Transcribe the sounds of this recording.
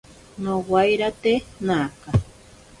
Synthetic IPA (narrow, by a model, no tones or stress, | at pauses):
nowajɾat̪enaːka